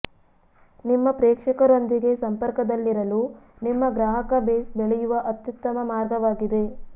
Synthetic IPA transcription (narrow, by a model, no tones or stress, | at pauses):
nimːɐpɾeːkʂɐkɐɾo̞nd̪iɡe̞sɐmpɐɾkɐd̪ɐlːiɾɐlu | nimːɐɡɾaːɦɐkɐbeːsbeɭɛjuʋɐʔɐt̪jut̪ːɐmɐmaːɾɡɐʋaːɡid̪e̞